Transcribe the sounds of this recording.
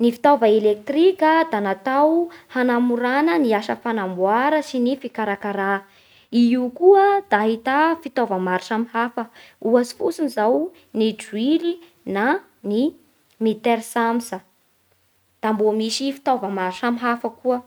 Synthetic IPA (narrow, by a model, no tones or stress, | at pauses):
nifi̥t̪ovəelek̚t̪rikʲəd̪anat̪awhanamuɾanəniaʃə̰fanambwaɾəsinifikaɾakaɾa | iiukuəd̪̥aɦit̪afit̪ovəmaɾiʈ͡ʂamihafə | uasi̥fusunizaw | nid͡ʒwili | na | ni | mit̪eɾsamsə | d̪̥ambomisifi̥t̪ovəmaɾiʈ͡ʂamiɦafəkuə